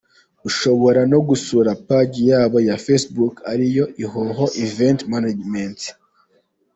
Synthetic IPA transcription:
uʃo̞βo̞ɾano̞ɡusuɾapaɟijaːβo̞jafesbukaɾijo̞ʔiɦoɦo̞ʔiventmanad͡ʒment

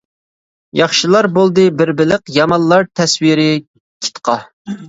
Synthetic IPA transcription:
jɑχʃilˠɑɾbolˠd̪ɨbɪɾbɪlɪqjɑmɑnlːˠɑɾt̪ʰɛswiɾɪ | kʲʰɪ̥t̪qʰɑ

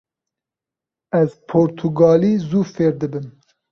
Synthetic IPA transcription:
ɛzpʰoːɾt̪ʰuɡɑːliːzuːfeːɾd̪ɨbɨn

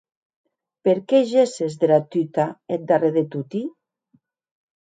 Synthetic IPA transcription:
peɾkeʒesezðelat̪yt̪aet̪̚d̪areðet̪ut̪i

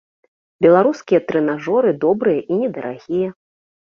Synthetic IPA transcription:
bʲɛlˠaɾuskʲijɐt̪ɾɛnaʐɔɾɨd̪ɔbɾɨjɐʔinʲɛd̪ɐɾʔa̰ɣʲijɛ

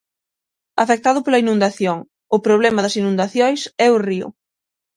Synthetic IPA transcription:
ɐfek̚t̪aðʊpolɐinũnd̪aθjoŋ | ʊpɾoβ̞lɛmɐðɐsinũnd̪aθjojsɛʊriʊ̰

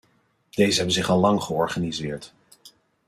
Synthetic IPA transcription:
d̥ejzəɦɛbənzɪχɑlˠːɑŋχəɔɹχanizɪːɹt

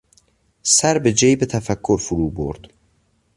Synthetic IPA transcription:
sæɾbed͡ʒejbet̪ʰæfækʰːoɾfuɾuːbo̰ɾd̪̥

